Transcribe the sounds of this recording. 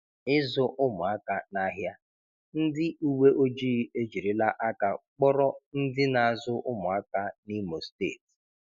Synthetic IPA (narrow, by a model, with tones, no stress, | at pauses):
ɪ˦zʊ˦ʔʊ˦mʊ˨a˦ka˨na˦ɦja˦ | n̩˦dɪ˦u˦we˦ʔo˦d͡ʒi˦e˦d͡ʒi˨ɾi˦la˦ʔa˦ka˨k͡pɔ˦ɾɔ˦n̩˦dɪ˦na˨a˨zʊ˦ʔʊ˦mʊ˨a˦ka˦ni˦mo˨steː˦˨ti̥˨